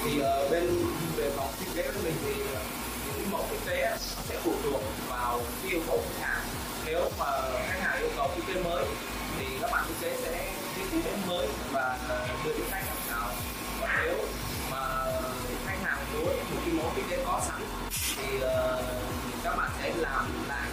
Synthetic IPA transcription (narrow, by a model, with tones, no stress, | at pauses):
t̪ʰi˨˩ʔəː˨˩ɓe˧nve˨˩fa˨˩wŋ͡mt̪wi˧˥ke˨˦kə˧˩˦mï˨˩ŋ̟t̪ʰi˨˩˨ | ɲɨ̰˧˥kmo̰˨˦ki˧˦te˧˦˨sɛ̰˧˥fu˧˩ək̚t̪u˨˩ək̚vaː˨˩wʔi˧əwkə̰˧˨wxʰa˨˥k̚haː˨˩ŋ | ne˨˦wmaː˨˩˨xaː˦˥k̚haː˨˩ŋkɨ̰˧˥ŋ͡mkɔ˨˦t̪ʰi˧˥ke˨˦məː˨˦j | t̪ʰi˨˩kaː˦˥k̚ɓa̰ː˧˨ʔḭ˧˦ke˨˦sɛ̰˧˥ | ki˧˥t̪i˨˦t̪e˨˦məː˨˦j | vaː˨˩˨nɨ̰˧˩ʔk̪a˧˥k̚haː˨˩saː˨˩w | vɔː˨˩ne˨˦w | maː˨˩˧ | xʰa˧˦˥k̚haː˨˩ŋ˨˩ɗu˨˦ə˨t̪i˨˩ki˧˦mo̰˧˨˦ki˧˦˥k̪e˨˦kɔ˨˦sa˨˦ŋ | t̪ʰi˨˩əː˨˩ | t̪ʰi˨˩kaː˦˥k̚ɓa̰ː˧˨nkə˨˦laː˨˩m | la̰ː˨˩